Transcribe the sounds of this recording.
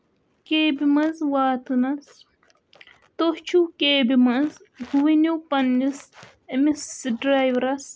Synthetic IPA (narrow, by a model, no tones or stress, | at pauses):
keːbimɐnzwaːt̪ɨnɐs | t̪oht͡ʃʰukeːbimɐnz | ɡuwinupɐnːis | emisɖɾajʋɾɐs